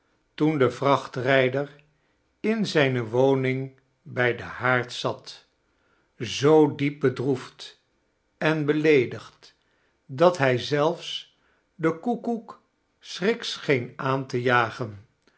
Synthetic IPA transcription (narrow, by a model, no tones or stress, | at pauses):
tundəvrɑχtrɛjdəɹ | ɪnzɛjnəʋownɪŋ | bɛjdəhaːɹtsɑt | zowdip̚bədruft | ɛnbəlejdəχt | dɑtɦɛjzɛlˠfs | dəkukuk | srɪksχejnaːntəjaːχən